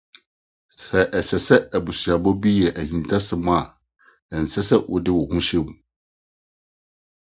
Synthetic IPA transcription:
sɛ˨ʔɛ˨sɛ˨sɛ˦æ˨bu˨sɥa˨bɔ˦bi˦jɛ˨ʔæ˨hĩ˨n˨tʰa˦sɪ˨mʊ̃˦a˨ | ɛ˨n̩˨sɛ˦sɛ˦wʊ̰˦˨dɪ˦wʊ˨hũ˦ɕɛ̃˦mu˨

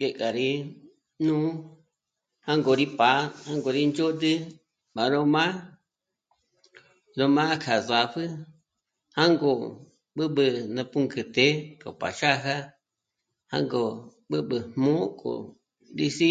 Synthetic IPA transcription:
je˧kʼa˨ɾi˧ | nũː˦ | hã˦ŋɡo˨ɾi˦pa˨˦ha˦ŋɡo˧˨ɾi˦nd͡ʒo˦t̪̬ɨ˦ | ɓa˨ɾo˧mã˦ | lo˧mã˦kʰa˨za˨ɸɨ˦ | hã˦ŋɡo˧ | ɓɨ˦ɓɨ˧nã˧pu˧ŋkɨ˧t̪e˨˦ko̰˨pa̰˨ʃa˦ɦa˦ | hã̰˦ŋɡo˧˨ | ɓɨ˦ɓɨ˧hmõ˦kʰʼo̰˨ | ɾi˧si˦

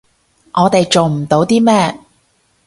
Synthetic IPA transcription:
ʔɔː˨˧t̪e˨jt͡ʃo˨wm̩˨˩t̪o˨˥wt̪iː˥mɛː˥˩

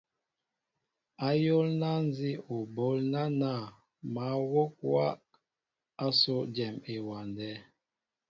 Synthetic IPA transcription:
a˦jo˦lna˦n˦zi˦o˨bo˨˦lna˦na˦˨ | ma˨˦wo˦k̚wa˦ | a˦so˦d͡ʒɛ˨me˨wa˨ndɛ˨˦

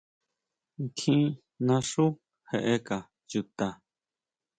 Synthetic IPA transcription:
ŋ˨kʰĩ˦ | nã˧ʂu˦ | he˧ʔe˧ka˨ | ju˧t̪a˧

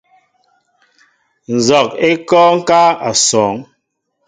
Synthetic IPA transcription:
n̩˨zɔ˨k̚e˦kɔ˦ŋ̩˦ka˦a˨sɔː˨˦ŋ

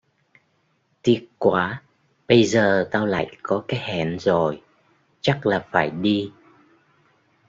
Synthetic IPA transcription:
t̪i˦˥ət̚kwaː˧˦ | ɓə˧jzəː˨˩t̪aː˧wla̰ː˧˨jkɔ˨˦kaː˨˦jhɛ˧˩˨nzo˨˩j | t͡ɕa˦˥k̚laː˨˩faː˧˩jɗi˧

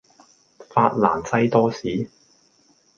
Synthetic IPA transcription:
faː˧t̚la̰ː˨˩nsɐ˥jt̪ɔː˥siː˨˥

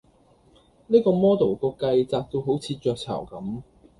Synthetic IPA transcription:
niː˥kɔː˧mɔː˥t̪o˨˩wkɔː˧kɐ˧jt͡saː˧k̚t̪o˧wɦo˨˥wt͡sʰiː˨˧t͡ʃœː˧k̚t͡sʰɐ̰˨˩wkɐ˨˥m

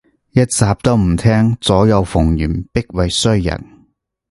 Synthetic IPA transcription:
jɐ˥t̚t͡saː˨p̚t̪o˥wm̩˨˩t̪ʰɛː˥ŋt͡sɔː˨˥jɐ˨˧wfʊ˨˩ŋjyː˨˩npɪ˥k̚wɐ˨jsɵ˥jɐ̰˨˩n

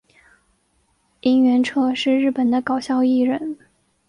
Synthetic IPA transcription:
i˥ŋɥɛ˧˥nʈ͡ʂʰɤ˥ʂɻ̩˥˧ɻɻ̩˥˩pə˨˩nd̪ə˦kɑ˨˩ʊɕjɑ˥˧ʊi˥˩ɻə˨˩˦n

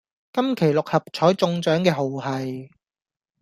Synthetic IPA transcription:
kɐ˥mkʰe˨˩jlʊ˨k̚hɐ˨p̚t͡ʃʰɔː˨˥jt͡sʊ˧ŋt͡ʃœː˨˥ŋkɛː˧ɦo˨whɐ˨j

